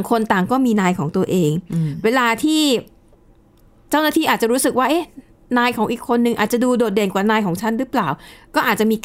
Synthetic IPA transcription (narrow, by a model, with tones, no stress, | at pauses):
ŋkʰo˧nt̪aː˨˩ŋkɔː˥˩miː˧naː˧jkʰɔː˩˦ŋt̪u˧ɐəʔeː˧ŋweː˧laː˧t̪ʰiː˥˩ | t͡ɕa˥˩wnaː˥t̪ʰiː˥˩ʔaː˨˩t̪̚t͡ɕa˨˩ɾuː˦˥sɯ˨˩k̚waː˥˩ʔe˦˥ | naː˧jkʰɔː˩˦ŋʔiː˨˩kʰːo˧nːɯ˨ŋʔaː˨˩t̪̚t͡ɕa˨˩duː˧doː˨˩t̪̚deː˨˩nkwaː˨˩naː˧jkʰɔː˩˦ŋt͡ɕʰa˥˩nɾɯː˦˥plaː˨˩wkɔː˥˩ʔa˨˩t̪t͡ɕa˨˩miː˧k